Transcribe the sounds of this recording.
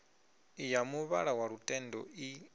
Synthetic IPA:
ijamuβa̰ɺawaɺutʼɛndɔi

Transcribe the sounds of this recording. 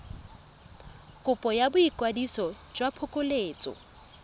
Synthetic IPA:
kʼʊpʼɔjabʊikʼwadisɔ | d͡ʒwapʰʊkʼʊleːt͡sʼɔ̰

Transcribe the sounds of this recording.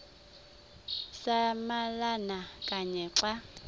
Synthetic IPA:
samalanakʼaɲɛǁwa

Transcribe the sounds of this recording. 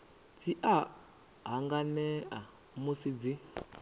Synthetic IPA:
t͡sʰiʔa | ɦaŋɡanɛʔa | musid͡zi

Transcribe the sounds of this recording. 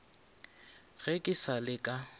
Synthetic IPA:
ɣekʼɪsalɪkʼa

